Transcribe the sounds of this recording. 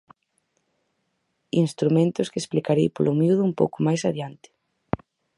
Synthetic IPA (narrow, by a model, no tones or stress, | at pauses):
inst̪ɾumẽnt̪ʊskɪesplikaɾejpolʔomjuðʊumpowkʊmajsaðjant̪ɪ̥